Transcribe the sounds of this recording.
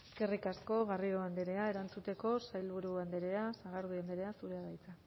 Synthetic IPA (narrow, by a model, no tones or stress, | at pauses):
eske̞rikasko̞ɣario̞and̪eɾe̞ae̞ɾant͡sut̪e̞ko̞sajlβuɾuand̪eɾe̞asaɣ̞aɾðuand̪eɾe̞asuɾe̞aðajt͡sa